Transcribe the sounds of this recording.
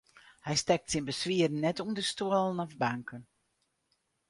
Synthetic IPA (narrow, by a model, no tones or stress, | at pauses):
hɛjstɛk̚tsinbəsʋiərn̩ːɛtuəndəstuəlˠənɔfbaŋkʰən